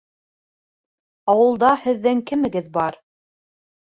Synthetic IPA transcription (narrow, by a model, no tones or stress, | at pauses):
ɑwɤ̆lˠd̪ɑhɘ̆ðːɘŋkɘ̆mɘ̆ɡɘðbɑɾ